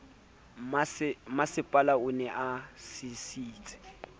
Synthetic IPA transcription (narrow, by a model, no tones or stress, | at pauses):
mmasɪpʼalaʊnɛʔasɪsiːt͡sʼɛ̥